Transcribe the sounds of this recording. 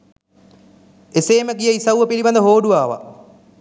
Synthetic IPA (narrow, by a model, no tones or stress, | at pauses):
eseːməɡijəisɐwʋəpiliband̪əɦoːɖuʋaːʋa̰